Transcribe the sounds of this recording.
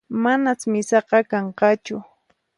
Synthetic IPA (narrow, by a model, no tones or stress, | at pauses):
manat͡smɪsɑqɑkɑɴqɑt͡ʃʊ